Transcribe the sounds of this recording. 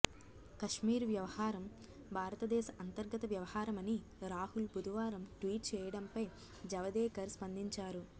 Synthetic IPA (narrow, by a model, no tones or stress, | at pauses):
kɐʂmiːɾʋjɐʋɐhaːɾɐm | bʱaːɾɐt̪ɐd̪ɛːʃɐʔɐnt̪ɐɾɡɐt̪ɐʋjɐʋɐhaːɾɐmɐni | ɾaːhulbud̪ʱɐʋaːɾɐmʈʋiːʈ̚t͡ʃɛːjɐɽɐmpɐj | d͡ʒɐʋɐd̪ɛːkɐɾspɐnd̪iɲt͡ʃaːɾu